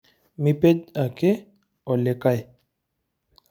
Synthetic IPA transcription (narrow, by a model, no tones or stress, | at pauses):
miped͡ʒake | ɔlekaj